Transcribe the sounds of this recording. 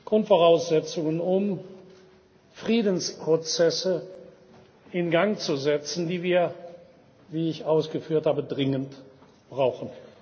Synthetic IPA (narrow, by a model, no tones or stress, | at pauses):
ɡ̥ʁʊntfoʁaʊsz̥ɛt͡sʊŋənʊm | fʁ̥iːdn̩spʁ̥ot͡sɛsə | ʔɪnɡaŋt͡suzɛt͡sn̩diːviːɐ | viːɪçʔaʊsɡ̥əfyːɐthaːbədʁɪŋənt | b̥ʁaʊxn̩